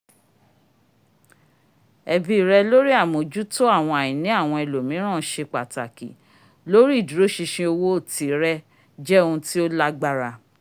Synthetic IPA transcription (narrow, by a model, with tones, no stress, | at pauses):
ɛ˨bi˨˦i˨ɾɛ˧lo˦ɾi˦a˦˨mõ˨d͡ʒu˦to˦a˦˨w̃ɔ̃˧a˨j̃ĩ˨nĩ˨˦a˦˨w̃ɔ̃˧ɛ˨lo˨mĩ˨˦ɾ̃ã˦˨ʃe˧k͡pa˨ta˨kḭ˨ | lo˦ɾi˦˨du˨ɾo˨˦ʃi˧ʃĩ˧o˧wo˦o˦˨ti˨˦ɾɛ˧ | d͡ʒɛ˦o˧ũ˧ti˦o˦la˦ɡ͡ba˦ɾa˧